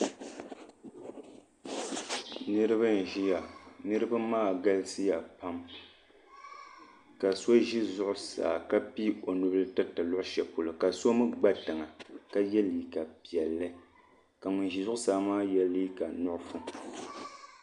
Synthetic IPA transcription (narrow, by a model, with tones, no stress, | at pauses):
nɨ˦ɾɨ˦βa˦n˨ʒi˦ja˨nɨ˦ɾɨ˦ba˦maː˦˨ɡa˦lɨ˦sɨ˦ja˨pa˦m | ka˨so˦ʒi˦zʊ˦ʔʊ˦sa̰ː˨ka˦pi˦o˨nu˦bɨ˦lɨ˦tɨ˦tɨ˨lʊ˦ʔʊ˦ʃɛ˨po˨lo˨ka˨so˦mɨ˦ɡ͡ba˦tɨ˨ŋa˨ka˦jɛ˦liː˨ka˨pi˨ɛ˨lːɨ˦ | ka˨ŋʊ˨nʒi˨zʊ˦ʔʊ˦saː˨˦maː˦jɛ˦li˦ka˨nʊ˦ʔʊ˦fu˦